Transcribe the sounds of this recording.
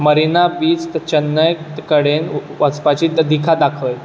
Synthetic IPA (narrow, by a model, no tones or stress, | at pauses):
məɾinabiːt͡st̪t͡ɕənːəjt̪kəɽenʋət͡spat͡ɕiːəd̪ʱikʰad̪akʰəj